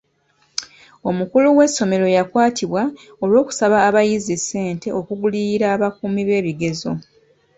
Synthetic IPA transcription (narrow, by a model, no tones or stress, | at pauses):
o̞mukuluwe̞sːo̞me̞ɾo̞jakwaːtʰiβwa | o̞lwo̞ːku̥saβaːβajizise̞ːnte̞o̞kuɡuliiɾaːβakuːmiβe̞ːβiɡe̞zo̞